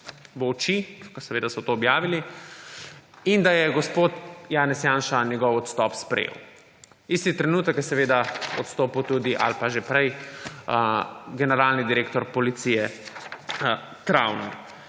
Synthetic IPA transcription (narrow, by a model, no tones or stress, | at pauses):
ʋɔwt͡ʃikɔsɛʋeːd̪asɔt̪oːbjaːʋili | ind̪ajɛɡɔspoːt̪jaːnɛsjaːnʃanjɛɡɔwɔt̪st̪ɔpspɾɛ̰jḛw | ist̪it̪ɾɛnuːt̪əkjɛsɛʋeːd̪aɔ̰t̪st̪oːput̪uːd̪iʔa̰lpaʒepɾɛj | ɡɛnɛɾaːlnid̪iɾeːkt̪ɔɾpɔlit̪sijɛ | t̪ɾa̰wnɛ